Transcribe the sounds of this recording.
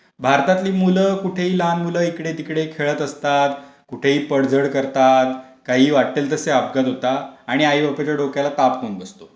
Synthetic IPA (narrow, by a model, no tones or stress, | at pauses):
bʱaɾt̪at̪liːmuləkuʈʰeɦiːlanmuləikɽet̪ikɽekʰeɭət̪əst̪at̪kuʈʰeɦiːpəɽd͡zəɽkəɾt̪at̪ | kaɦiːʋaʈːelt̪əseabɡat̪ɦot̪aːɽ̃iaibəpet͡ɕaɖokjalat̪apkuːnbəst̪o